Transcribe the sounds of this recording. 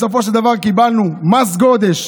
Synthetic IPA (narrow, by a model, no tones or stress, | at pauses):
sofo̞ʃeld̪avaʁkibalnumasɡod̪eʃ